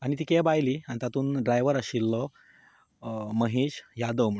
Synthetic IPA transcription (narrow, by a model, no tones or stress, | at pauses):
aɽ̃it̪iːkebajliːañit̪at̪uːnɖɾajʋəɾəɕilːɔ | məɦeɕjad̪əʋm